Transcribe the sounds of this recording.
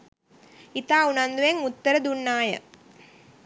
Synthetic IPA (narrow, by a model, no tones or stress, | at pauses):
it̪aːunɐnd̪uʋeŋʊt̪ːɐɾɐd̪unːaːjɐ̰